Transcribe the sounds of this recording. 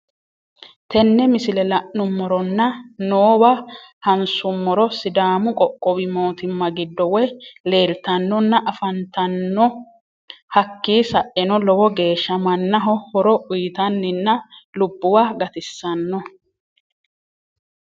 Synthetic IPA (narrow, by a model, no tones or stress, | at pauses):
t̪ɛnːɛmɪsɪlɛlɐʔnʊmːɔɾɔnːɐnoːwɐhɐnsʊmːɔɾɔsɪd̪aːmʊkʼɔkʼːɔbɪmo̞ːt̪ɪmːɐɡɪd̪ːɔwɛle̞ːlt̪ɐnːɔnːɐʔɐfɐnt̪ɐnːɔ | hɐkːiːsɐʔɛnɔlɔwɔɡe̞ːʃːɐmɐnːɐɦɔhɔɾɔʔʊjt̪ɐnːɪnːɐlʊbːʊwaːɡɐt̪ɪsːɐnːɔ